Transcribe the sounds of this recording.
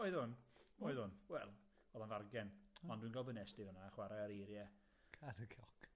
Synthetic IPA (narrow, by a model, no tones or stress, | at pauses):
ɔɨðʊnoɨðʊnwɛlˠ | ɔðanvarɡɛnɔndwinɡɔlˠbənɛsd̥ɪvənaχwaɾɛəɾejɾjɛ | kʰaɾəkʰɔk